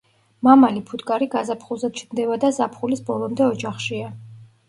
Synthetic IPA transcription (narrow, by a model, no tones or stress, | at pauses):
mamalipʰut̪kʼaɾiɡazapʰχulˠzɛd̪̚t͡ʃʰnd̪ɛvad̪azapʰχulisbɔlˠɔmd̪ɛɔd͡ʒaχʃia